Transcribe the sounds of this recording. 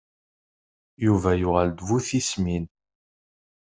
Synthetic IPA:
juvæjʊʁəld̪vuθismin

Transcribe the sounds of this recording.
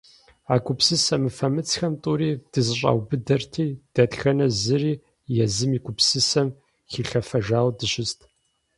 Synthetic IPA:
aːkʷʼʊpsɨsɐmɨfɐmɨt͡sxɐmtʼuːɾiːd̥ɨzɨɕ̬ʷʼa̰ːwbɨdɐrtʰiːd̥ɐtxɐnɐzɨriː | jɛzɨmiːɡʷʰʼʊpsɨsɐm | xiːɬɐfɐʒaːwdɨɕɪstʰ

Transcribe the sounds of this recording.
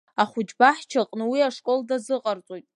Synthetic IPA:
aχʷʊd͡ʒbaħt͡ʃʰaqʼnɨwiaʂkʷʼo̞ldazɨqʼart͡sʷʼojtʼ

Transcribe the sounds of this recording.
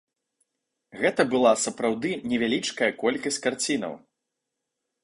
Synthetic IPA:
ɣɛt̪ɐbɨlˠasɐpɾawd̪ɨnʲɛvʲalʲit͡ʂkɐjɐkɔlʲkɐsʲt͡sʲkart͡sʲinɐ̰w

